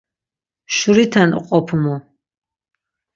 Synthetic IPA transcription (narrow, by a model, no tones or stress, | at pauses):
ʃuɾit̪ʰanqʼɔpʰumɔ